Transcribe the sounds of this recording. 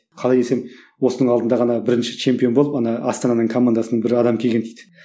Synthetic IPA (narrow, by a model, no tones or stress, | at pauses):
qʰɑlˠɑjd̪e̞se̞m | wo̞sənəɴɑlˠd̪ənd̪ɑʁɑnɑbɪɾɪnʃɪ̥t͡ʃʰe̞mpʲijo̞nbolˠəpɑnɑɑst̪ɑnɑnəɴkʰo̞mand̪asənəɴbɪɾɑd̪ɑmkʲʰeɡʲe̞nd̪ejd̪ɪ